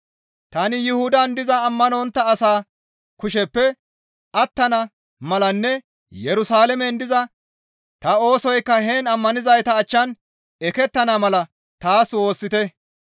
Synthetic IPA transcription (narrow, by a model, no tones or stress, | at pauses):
t̪ɐnɪjɪhʊd̪ɐnd̪ɪzɐːmːɐnoːnt̪ːɐːsaː | kʊʃ̬ɛpːɛ | ʔɐt̪ːɐnɐ | mɐlɐnːɛ | jɛɾʊsaːlɛmɛnd̪ɪzɐ | t̪ɐo̞ːsɔjkːɐheːnɐmːɐnɪzɐjt̪ɐːt͡ʃːɐn | ɛkɛt̪ːɐnɐmɐlɐ | t̪aːswo̞ːsːɪt̪ɛ